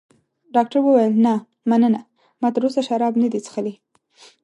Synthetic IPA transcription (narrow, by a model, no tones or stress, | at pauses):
ɖɑk̚ʈaɾwəwajəlna | manəna | mɑt̪əɾosaʃaɾɑbnad̪it͡sə̥xəli